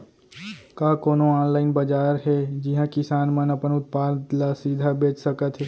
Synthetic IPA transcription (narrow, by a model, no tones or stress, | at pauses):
kaːkoːnoaːnlaːɪnbəd͡ʒaːɾɦɛd͡ʒɪɦãkɪsaːnmə̃nəpənʊt̪̚paːt̪lasiːd̪ʱabeːt͡ʃsəkət̪ɦɛ